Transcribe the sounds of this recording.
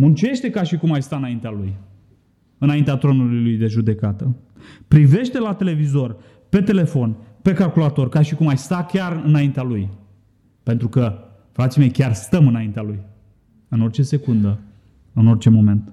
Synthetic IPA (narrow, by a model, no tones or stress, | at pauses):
munt͡ʃe̞ʃt̪e̞kaʃikumajst̪aɨnaint̪ealuj | ɨnaint̪eat̪ɾo̞nululujd̪e̞ʒud̪e̞kat̪ə | pɾive̞ʃt̪e̞lat̪e̞le̞vizo̞r | pe̞t̪e̞le̞fo̞npe̞kalkulat̪o̞rkaʃikumajst̪akʲarɨnaint̪ealuj | pe̞nt̪ɾukə | fɾat̪sime̞jkʲarst̪əmɨnaint̪ealuj | ɨno̞rt͡ʃe̞se̞kund̪ə | ɨno̞rt͡ʃe̞mo̞me̞nt̪